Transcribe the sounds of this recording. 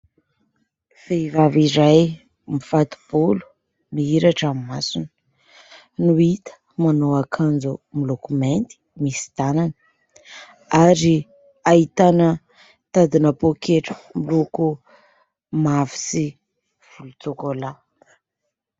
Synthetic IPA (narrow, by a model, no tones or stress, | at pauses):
v̥eivaviɾaj | mifat̪u̥b̥olu̥ | miiɾaʈ͡ʂamimasunə̥ | nuit̪ə̥ | manoakʰand͡zumilokument̪i̥misi̥t̪ananə̥ | aɾi | ait̪anə | t̪ad̪inəpokʰeʈ͡ʂə̥miluku | mavi̥si | v̥ulut͡sokola